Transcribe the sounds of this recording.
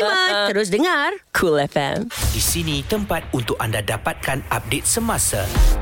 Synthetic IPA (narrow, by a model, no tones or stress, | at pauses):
maəɾʊs̬dəŋarkʰulɛfɛ̰̃mdisinĩt̪əmpat̪̚unt̪ʊk̚andadapat̪̚kanap̚det̪̚səmãsa